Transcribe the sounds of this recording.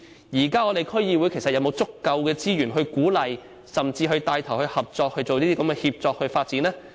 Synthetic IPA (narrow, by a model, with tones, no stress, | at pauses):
jiː˨˩kaː˥ŋɔː˨˧ɾe˨˩jkʰɵ˥ɥjiː˧wu˨˥jkʰe˨˩sɐ˨ɐ˧wmo˨˧wt͡sʊ˥kːɐ˧wkɛː˧t͡siː˥jyː˨˩nɦɵ˧ɥkuː˨˥lɐ˨j | sɐ˨mt͡siː˧ɦɵ˧ɥt̪aː˧jt̪ʰɐ˨˩whɵ˧ɥhɐ˨p̚t͡sɔː˧k̚hɵ˧ɥt͡so˨wniː˥t̪iː˥kɐ˨˥mkɛː˧hiː˧p̚t͡sɔː˧k̚hɵ˧ɥfaː˧t̚t͡siː˨˥nlɛː˥